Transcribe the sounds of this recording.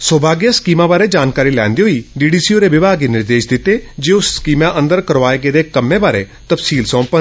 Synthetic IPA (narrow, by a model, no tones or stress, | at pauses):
soːbʱaːɡjaskiːmãːbaːɾeːd͡ʒaːnkaːɾiːlɛ̃ːnd̪eɦoiːɖiːɖiːsioɾeʋɪbaːɡinɪɾd̪eːʃd̪ɪt̪eːd͡ʒeːoskiːmãːʔə̃nd̪əɾkəɾʋaːeɡed̪eːkəmːẽːbaːɾet̪əpsiːlsɔ̃ːmpə